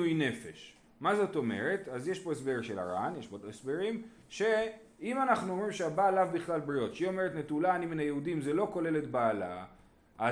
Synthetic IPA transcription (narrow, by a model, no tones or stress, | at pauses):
ujne̞fe̞̰ʃ | mazo̞to̞me̞̰ʁe̞tazjeʃpo̞esbeʁʃela̰ʁa̰njeʃbodesbeʁim | ʃe̞ | imanaχnuo̞mʁimʃeabaːlavbiχlalbʁio̞tʃeio̞meʁetnetulaːniminajeudimzelo̞ko̞le̞le̞tbaːla̰ | ʔa